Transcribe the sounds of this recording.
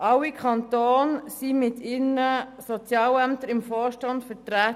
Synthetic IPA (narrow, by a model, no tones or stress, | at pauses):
ʔɑwikʰɑntoːnsimɪtʰɪnəsɔt͡sjɑːlæmtəɾɪmfɔːʃtɑndfətɾæːt